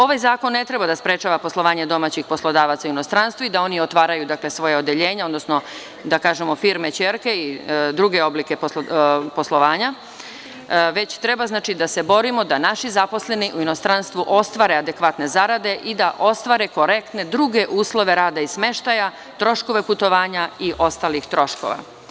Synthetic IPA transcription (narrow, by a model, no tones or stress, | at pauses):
o̞ʋajzaːko̞nːe̞t̪ɾebad̪aspɾet͡ʃaːʋapo̞slˠo̞ʋaːɲe̞d̪o̞maːt͡ɕixpo̞slˠo̞d̪aːʋat̪sauino̞st̪ɾanst̪ʋuid̪ao̞niot̪ʋaːɾajud̪akle̞sʋo̞jaod̪eʎeːɲao̞d̪nosno | d̪akaːʒemo̞fiɾmet͡ɕeɾke̞id̪ɾuɡe̞o̞blike̞popo̞slˠo̞ʋaːɲa | ʋe̞t͡ɕt̪ɾe̞baznaːt͡ʃid̪ase̞bo̞ɾimo̞d̪anaʃizapo̞sle̞niʔuino̞st̪ɾanst̪ʋuʔo̞st̪ʋaːɾe̞ad̪e̞kʋat̪ne̞zaɾad̪e̞ʔid̪aʔo̞st̪ʋaːɾeko̞ɾe̞kt̪ne̞d̪ɾuɡe̞ʔuːslˠo̞ʋe̞ɾaːd̪aisme̞ʃt̪aja | t̪ɾo̞ʃko̞ʋe̞put̪o̞ʋaːɲaiʔo̞st̪alixt̪ɾo̞ʃko̰ʋa̰